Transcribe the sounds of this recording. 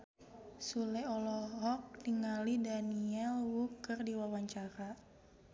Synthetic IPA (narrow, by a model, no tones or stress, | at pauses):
sulɛɔlɔɦɔk̚niŋalidaniɛlwukərdiwawaɲt͡ʃaɾa